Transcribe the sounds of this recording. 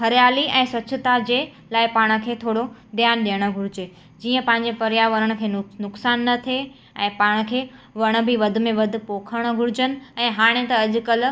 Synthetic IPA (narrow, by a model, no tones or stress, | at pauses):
hɐɾijaːliɛ̃ːsʋɐtːt͡ɕʰɪt̪ad͡ʑeː | laːɪpaːɽ̃ə̆kʰeːt̪ʰoːɽod̪jaːnɗijəɽ̃ə̆ɡʱʊɾɪd͡ʑeː | d͡ʑiːə̃pɐ̃ɦɪ̃ɲ̆d͡ʑefɐɾjaːʋəɾəɽ̃̆kʰeːnnʊksaːnːɐt̪ʰie | ɛ̃ːpaːɽ̃ə̆kʰeːʋɐɽ̃ə̆bʱiʋɐd̪ʱʊ̆mẽʋɐd̪ʱʊ̆poːkʰəɽ̃̆ɡʱʊɾɪd͡ʑənɪ̆ɛ̃ːɦaːɽ̃et̪ɐɐʄʊ̆kɐl̆